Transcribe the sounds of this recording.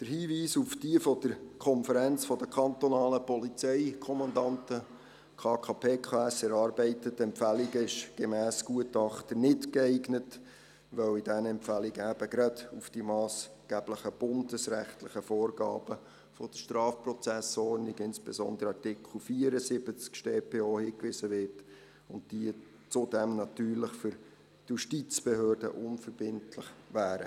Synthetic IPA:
d̥əɾhiːviːsufd̥iəfɔd̥əɾkʰɔnfəɾænt͡sfɔd̥əkʰχɑntɔnɑːləpɔlit͡sɛɪkʰɔmɑndɑntə | kʰɑːkʰɑːpʰeːkʰɑːɛsɛɾɑːɾbɛɪtətɛmpfæliɡəɪʃɡ̥emæːsɡ̥uətɑχt̪ənɪtkɛɪɡnət | ʋœwidænɛmpfæliɡəæb̥əɡɾɑd̥ufd̥imɑːs | ɡ̥æbləχəb̥ʊndəsɾæχtlɪχəfoːrɡɑ̰ːb̥ə | fɔd̥əʃtrɑːfprɔt͡sæsɔɾnɪɡɪnsb̥esɔ̰nd̪əɾəɑtɪkχl̩fiːəɾəsɪb̥ət͡skʃteːpʰeːoːhiːkʋɪsəʋɪt | ʊntd̥iə | t͡sʊdɛmnɑtyːɾlɪχfʏɾ | juʃtit͡sb̥eɦøːrdə̰ʔʊnfəɾb̥ɪntlɪχʋæːɾə̰

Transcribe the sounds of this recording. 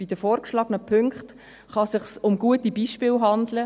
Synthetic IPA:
b̥idəfɔːɾkʃlɑːɡ̥ənəpʰʏŋkχt | χɑsɪχsʊmɡuətibiːʃpɪːlɦɑndlə

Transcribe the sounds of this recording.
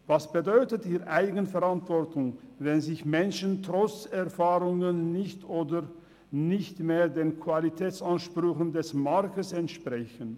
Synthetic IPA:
vasb̥ədɔʏtətiːɐʔaɪɡənfɛʁantv̥ɔɐtʊŋvɛnzɪçmɛnʃəntʁ̥ɔt͡sɛɐfaːʁʊŋənːɪçtoːdə | nɪçtmeːɐdeːnkʰv̥alitʰɛːt͡sanʃpʁ̥ʏçən̩dɛsmaʁkəsɛntʃpʁ̥ɛçən

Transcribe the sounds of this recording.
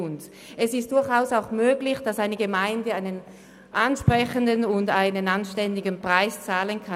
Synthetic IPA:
ʊnt | ɛsɪst̚d̥ʊɐçaʊsaʊxmøːɡlɪçd̥asaɪnəɡəmaɪndəaɪnən | ʔanʃpʁ̥ɛçəndənʊndaɪnənanʃtɛndɪɡənpʁ̥aɪst͡saːlənkʰa

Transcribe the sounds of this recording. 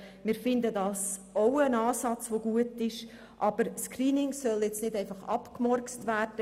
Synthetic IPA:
mɪːɾfɪndədɑːsowənɑːsɑt͡sʋoɡuətɪʃ | ʔɑb̥əɾskriːnɪŋsœljɛt͡snɪdɛɪfɑχɑ̰pkmɔrt͡stvæːrd̥ə

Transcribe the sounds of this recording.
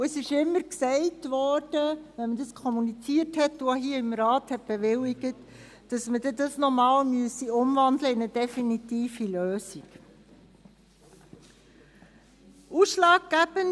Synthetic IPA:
uəsɪʃɪmːəɾksɛɪtʋɔːɾd̥əʋɛnmədɑskʰɔmunit͡siəthɛtːuaɦiːəɪmɾɑːthɛt̚b̥eʋɪlːiɡ̥ətː | d̥ɑsmədɛdɑsnɔmɑːlmyəsiʊmvɑndləɪnəd̥ɛfinitiːfiløːsik | uːsʃlɑːk̚ɡ̥æb̥ən

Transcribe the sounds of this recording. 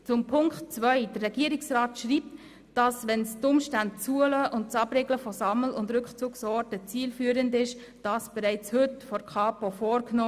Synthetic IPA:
t͡sʊmpʰʊŋktt͡svʋœʏd̥ərːɛɡ̥iəɾɪksrɑːtʃɾiːp̚t | d̥ɑsʋɛnstʊmʃtæntt͡suələʔʊnt̚t͡sɑb̥ɾeɡləfɔsɑml̩ʊndɾʏkχt͡suːksɔːɾtət͡siːlfyːəɾəndɪʃ | d̥ɑsb̥ɛɾæɪt͡shʏtfɔɾkχɑːpofɔːɾknoː

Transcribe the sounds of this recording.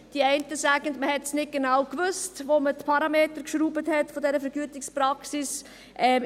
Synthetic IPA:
d̥iɛɪntəsæːɡ̥əndməhɛtsnɪt̚ɡ̥enawkʋʏstʋomətpʰɑɾɑmeːtəɾkʃɾuːbəthɛtfɔdɛɾəfɛɾɡyətɪkspɾɑksɪs | ʔɛː

